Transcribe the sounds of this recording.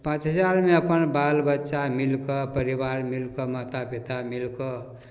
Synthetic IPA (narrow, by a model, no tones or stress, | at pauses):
pãt͡ʃɦəd͡ʒaɾmeəpənbalbətːʃamilkəpəɾibaɾmilkəmɔt̪apit̪amilkɔ